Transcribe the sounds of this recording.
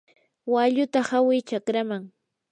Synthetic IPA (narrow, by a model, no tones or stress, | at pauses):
waʎʊt̪ahawɪjt͡ʃakɾamaŋ